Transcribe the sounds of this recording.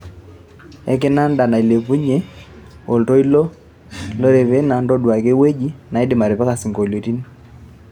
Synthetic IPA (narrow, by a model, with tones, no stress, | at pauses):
ɛ˦k̬ɛ˦na˦nda˨na˨i˨le˨pu˦ɲe˦o˨lto˦i˦lɔ˦ | lo˦ɾɛ˨βɛ˦na˨ndɔ˦dwa˨ke˦we˦d͡ʒi˦na˨i˦dɪ˨ma˨ɾɛ˨pa˦ka˨si˨ŋɡo˨lo˨ti˦ni˦